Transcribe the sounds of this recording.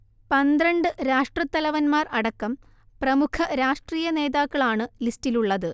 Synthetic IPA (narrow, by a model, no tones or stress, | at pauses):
pɐnd̪rɐɳɖɨɾaːʂʈrɐt̪ːɐlɐʋɐnmaːrɐɽɐkːɐm | prɐmukʰɐɾaːʂʈriːjɐne̞ːðaːkːɐɭaːɳɨlistiluɭːɐðɨ